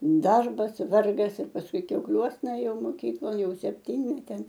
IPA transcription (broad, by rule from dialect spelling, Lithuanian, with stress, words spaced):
ˈdɐrbɐs ˈʋɐrɡɐs ɪr pɐsˈkʊɪ kʲɛʊkˈlʲuɔsnɐ ˈeːjɛʊ moːˈkʲiːklˠoːn jɛʊ sʲɛpʲˈtʲiːnʲmʲɛtʲeːn